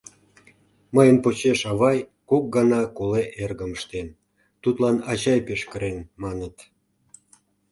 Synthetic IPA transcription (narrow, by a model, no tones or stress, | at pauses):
məjənpot͡ɕeʃɑβɑjkok̚ɡɑnɑkoleʔerɣəməʃt̪en | t̪ut̪lɑnɑt͡ɕɑjpeʃkəɾenmɑnət̪